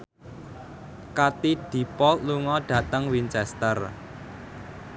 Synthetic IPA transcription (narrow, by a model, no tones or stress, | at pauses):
kat̪id̪̥i̤pɔluŋɔɖ̥ä̤t̪əŋwint͡ʃɛst̪ər